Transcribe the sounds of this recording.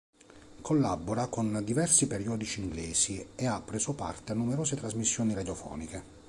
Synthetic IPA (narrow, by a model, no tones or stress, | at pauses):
kʰolːabːoɾakond̪ivɛrsipeɾiɔːd̪it͡ʃiːŋɡleːsieapːɾeszopa̰rt̪eanːumeɾoːzet̪ɾazmisːjoːniɾad̪jofɔ̰ːnike